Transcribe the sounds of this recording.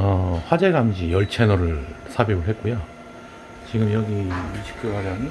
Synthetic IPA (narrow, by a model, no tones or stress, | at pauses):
ʌɸwad͡ʑe̞ɡamd͡ʑijʌɭt͡ɕʰe̞nʌɾɯɭsʰabibɯɭɦet̚k͈ujo | t͡ɕiɡɯmjʌɡiiɕʰi̥kʰɯwaɾan